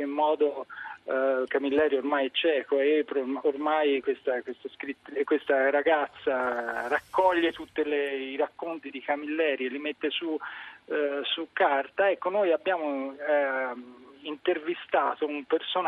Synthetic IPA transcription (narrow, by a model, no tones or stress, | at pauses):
emːɔːd̪o | kamilːɛːɾjormajɛt͡ʃɛːkoepɾoormajkwest̪akwest̪oskɾit̪ːkwest̪aɾaɡat̪sːarakːɔʎːet̪ut̪ːeleiɾakːont̪id̪ikamilːɛːɾjelimet̪ːesu | sukːart̪aɛkːonojabːjaːmo | int̪ervist̪aːt̪oumperson